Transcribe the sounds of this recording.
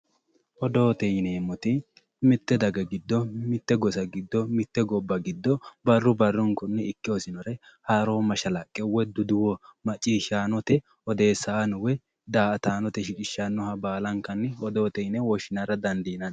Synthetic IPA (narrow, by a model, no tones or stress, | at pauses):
ʔɔd̪o̞ːt̪ɛjneːmɔt̪ɪ | mɪt̪ːɛd̪ɐɡɐɡɪd̪ːɔmɪt̪ːɛɡɔsɐɡɪd̪ːɔmɪt̪ːɛɡɔbːɐɡɪd̪ːɔbɐrːʊbɐrːʊŋkɔnːɛɪkːɪɔsɪnɔɾɛ | haɾoːmɐʃɐlɐkʼːɛwɛd̪ʊd̪ʊwɔmɐt͡ʃʼːiːʃaːnɔt̪ɛ | ɔd̪e̞ːsːanʊwɛ | d̪aːɐt̪aːnɔt̪ɛʃɪt͡ʃʼɪʃːanːɔhɐbaːlɐŋkːɐnːɪɔd̪oːt̪ɛjnɛwɔʃɪnɐɾɐd̪ɐnd̪iːnɐn